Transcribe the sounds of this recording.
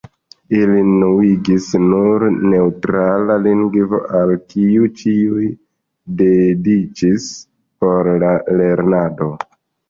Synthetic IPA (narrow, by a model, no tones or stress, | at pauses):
ilinuiɡisnuɾne̞utɾalaliŋɡvo̞̰ʔalkiut͡ʃiuj | de̞dit͡ʃis | po̞ɾlale̞ɾnado̞